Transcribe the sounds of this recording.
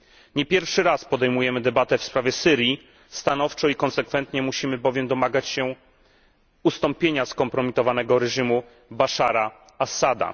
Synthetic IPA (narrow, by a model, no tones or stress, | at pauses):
ɲɛpʲjɛɾfʂɘɾaspɔd̪ɛjmujɛmɘd̪ɛbat̪ɛfspɾavʲjɛsɘɾʲji | st̪anɔft͡ʂɔikɔnsɛkfɛnt̪ɲɛmuɕimɘbɔvʲjɛmd̪ɔmaɡat͡ɕɕɛ | ust̪ɔmpʲjeɲaskɔmpɾɔmʲit̪ɔvanɛɡɔɾɛʐimu | baʂaɾa | asad̪a̰